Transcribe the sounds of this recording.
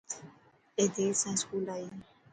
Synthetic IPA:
ed̪esãskulai

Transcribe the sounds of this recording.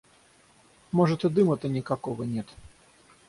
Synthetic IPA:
mɔʐɐt̪ɨd̪ɨmɐt̪ɐnʲikakɔɣɐnʲɛt̪

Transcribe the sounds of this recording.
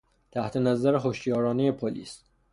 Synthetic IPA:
t̪ʰæht̪ʰe̞næzæɾeɦoʃt̪jɒːɾɒːnejepʰolḭːs

